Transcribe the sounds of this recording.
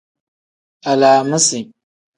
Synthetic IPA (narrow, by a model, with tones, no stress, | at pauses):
a˨laː˨mɨ˦si˨